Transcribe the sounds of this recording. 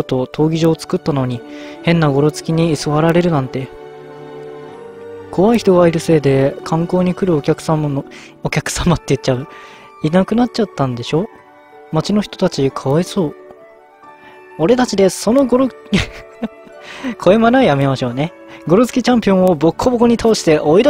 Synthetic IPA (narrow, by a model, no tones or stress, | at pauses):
ot̪ːo̞t̪ʰo̞ːɡʲiʑo̞ːt͡sɨ̥kɯ̟t̪ːano̞ɲ̟i | hẽ̞nːaɡo̞ɾo̞t͡sɨ̥kʲiɲ̟iːsoβaɾaɾe̞ɾɯ̟nãnt̪e̞ | ko̞βaiçi̥t̪o̞ɡaiɾɯ̟se̞ːd̪e̞kʰãŋko̞ːɲ̟ikɯ̟ɾɯ̟okʲakɯ̟̥samo | okʲakɯ̟̥samat̪ːe̞jɯ̟tt͡ɕaɯ̟ | inakɯ̟nat̚t͡ɕat̪ːãnd̪e̞ɕo̞ | mat͡ɕino̞çʲi̥t̪o̞̥t̪at͡ɕikʰaβaiso̞ː | o̞ɾe̞t̪at͡ɕid̪e̞so̞no̞ɡoɾo | kʰo̞emanaijame̞maɕo̞ːne̞ | ɡo̞ɾo̞t͡sɨ̥kʲit͡ɕãmpʲiõɰ̃o̞bo̞kʰːobokoɲ̟it̪ʰaːɕi̥t̪e̞ʔo̞id̪